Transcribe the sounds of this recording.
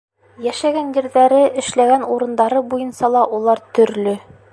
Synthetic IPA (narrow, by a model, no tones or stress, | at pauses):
jæʃæɡænɡɘ̆ɾðæɾɘʔɘ̆ʃlæɡænuɾɤ̆nd̪ɑɾɤbujɤnsɑlˠɑʔulˠɑɾt̪ɵ̆ɾlɵ